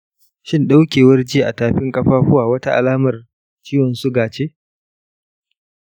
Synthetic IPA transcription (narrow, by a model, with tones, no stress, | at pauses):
ʃɪ˦nɗa˦wkʲeː˨wɐ˦rd͡ʒiː˦˨ʔa˨taː˨ɸɪ˦ŋkʼɐ˦ɸaː˦ɸʊ˦waː˨wɐ˦ta˦ʔa̰˨laː˦mɐ˨r | t͡ʃiː˦wɔ˨nsu˦ɡaː˨t͡ʃeː˦